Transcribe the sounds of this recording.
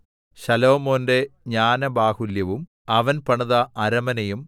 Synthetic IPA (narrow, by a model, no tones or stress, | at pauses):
ɕɐloːmo̞ːnde̞ɲaːnɐbaːhuljɐʋum | ɐʋɐnpɐɳuðɐʔɐɾɐmɐnɐjum